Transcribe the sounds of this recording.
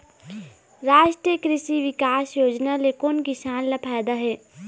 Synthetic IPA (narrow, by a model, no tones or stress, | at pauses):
ɾaːʃʈɾijəkɾɪʃiʋɪkaːsjoːd͡ʒnalekonkɪʃaːnlɐpʰaːd̪aɦɛː